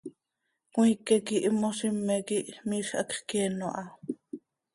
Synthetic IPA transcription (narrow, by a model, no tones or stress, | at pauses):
kw̃ʷikɛkiʔmoʃimːɛkiʔmiːʃʔɑ̰kχkɛːnoʔɑ